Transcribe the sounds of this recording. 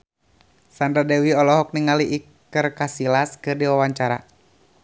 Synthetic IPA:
sandɾadɛwiɔlɔɦɔk̚niŋaliʔik | ərkasilaskɨrdiwawaɲt͡ʃaɾa̰

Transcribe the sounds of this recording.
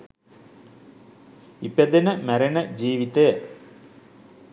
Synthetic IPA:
iped̪inəmæɾɐɳəd͡ʑiːʋit̪ej

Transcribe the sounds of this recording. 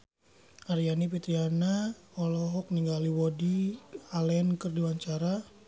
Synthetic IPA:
ʔaɾijanipit̪ɾiana | ɔlɔɦɔk̚niŋɡaliwɔdialɛnkərdiwaɲt͡ʃaɾa

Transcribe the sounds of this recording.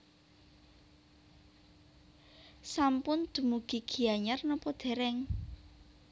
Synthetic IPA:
sampʊnd̪̥ṳmuɡ̥i̤ɡ̥i̤aɲarnɔpɔd̪̥ɛ̤ɾɛŋ

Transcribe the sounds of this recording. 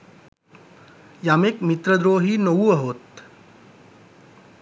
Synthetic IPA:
jaːmekmit̪ɾəd̪ɾoːɦinouɐɦoːt̪

